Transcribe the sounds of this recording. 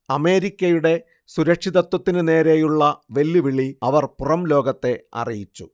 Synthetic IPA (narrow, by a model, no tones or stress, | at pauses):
ɐme̞ːɾikʲːɐjuɽe̞ | suɾɐkʂiðɐt̪ːwɐt̪ːinɨne̞ːɾe̞juɭːɐʋe̞lːiʋiɭiɐʋɐrpurɐmlo̞ːɡɐt̪ːe̞ɐ̰rijit͡ɕːṵ